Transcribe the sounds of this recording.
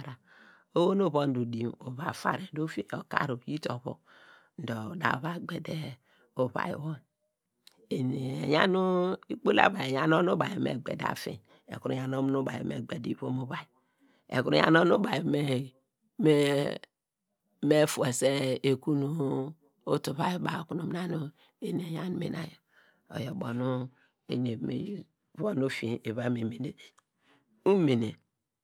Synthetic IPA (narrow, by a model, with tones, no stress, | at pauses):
ɾa˨ | o˦wo˦no˦˨βo˦n˦du˨di˨mo˨βa˨fa̰˨ɾe˨n˨do˦fi˦e˦o˨ka̰˦ɾo˨ji˦to˨βo̰˨ | n̩˨dɔ˨da̰˨βa˦ɡ͡be˨de˦ | o˨βa̰˨j̰wo˦˨ | e˨ni˨e˨ja˦nu˦i˦k͡po˦la̰˦˨ba˨ja˨n˦o˦no˦ba˨jmḛ˨ɡ͡bḛ˨da̰˨fḭ˨n | ḛ˨ku˦ɾu˨ja˨no˦mu˦no˦ba̰˨ḭ˨mḛ˨ɡ͡be˨di˨˦βo˦mo˦βa˦˨i˨ | ḛ˨ku˦ɾu˨ja̰˨no˦nu˦ba˨me˨ | me˦ | me˦fu˨e˨se˦e˨ku˦nu˦ | o˦tu˨βa˦jba˨o˨ku˨nu˨m˦na˦no˦ | e˦ne˨ja˦n˦mḛ˨na̰˨jo˨ | o̰˨jo˨bo˨nu˦ | e˨ne˨mḛ˨˦ | βo˦nu˦fi˨e˨βa˦me˨me˨ne˨ | u˦me˨ne˨